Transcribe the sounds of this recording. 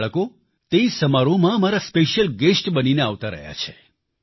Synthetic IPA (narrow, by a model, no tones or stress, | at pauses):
ɭəko | t̪eisəmaɾomãmaɾaspeʃjəlɡesʈbənineaʋt̪aɾə̰ɦja̰t͡ʃʰe̥